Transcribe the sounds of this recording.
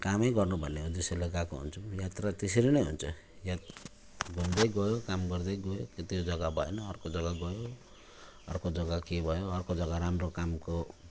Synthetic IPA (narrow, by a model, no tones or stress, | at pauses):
kamʌjɡʌrnubʱʌnːeod͡ziselaɡakoɦṵnt͡sʰujat̪rat̪es̬eɾinʌjɦṵnt͡sʰʌ | jat̪ | ɡʱumd̪ʌjɡʌjokamɡʌrd̪ʌjɡʌjoket̪iod͡zʌɡabʱʌ̰enʌːrkod͡zʌɡaɡʌjo | ʌ̰rkod͡zʌɡakebʱʌjoʌrkod͡zʌɡaɾamrokamko